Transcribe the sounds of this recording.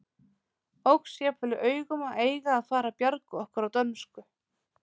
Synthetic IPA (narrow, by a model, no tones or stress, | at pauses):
owksjɛːpʰœlʏʔœːɥɣʏmaʔeːjɣaːðfaːɾapjaɾkʏɔhkʏɾawt̪œnmskʏ